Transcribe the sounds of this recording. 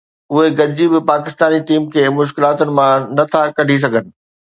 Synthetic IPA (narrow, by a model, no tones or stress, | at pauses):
ʊɦeɡɐd͡ʑibɪpaːkɪst̪aːniʈiːmkʰeːmʊʃ̬kɪlaːt̪ʊnɪ̆mãnɐt̪ʰakɐɖʱis̬ɐɡʱənɪ̆